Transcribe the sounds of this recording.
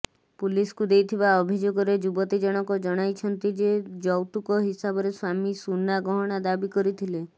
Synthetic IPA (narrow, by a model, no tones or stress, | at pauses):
puliskud̪ejt̪ʰibaɔbʱid͡ʒoɡɔɾed͡ʒubɔt̪id͡ʒɔɽ̃ɔkɔd͡ʒɔɽ̃ajt͡ʃʰɔnt̪id͡ʒed͡ʒɔwt̪ukɔɦisabɔɾeswamisunːaɡɔɦɔɽ̃ad̪abikɔɾit̪ʰile